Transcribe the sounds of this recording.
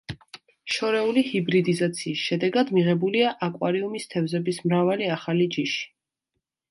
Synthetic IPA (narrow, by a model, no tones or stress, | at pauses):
ʃɔɾɛulihibɾid̪izat̪sʰiːsʃɛd̪ɛɡad̪miʁɛbuliaʔakʼwaɾiumist̪ʰɛvzɛbismɾavaliaχalid͡ʒiʃi̥